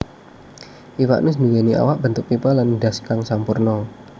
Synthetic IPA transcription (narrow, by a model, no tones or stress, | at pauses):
ʔiwa̰ʔnʊs̬nuweniʔa̰waʔb̥ənt̪ʊk̚pipalanɖaskaŋsampurnɔ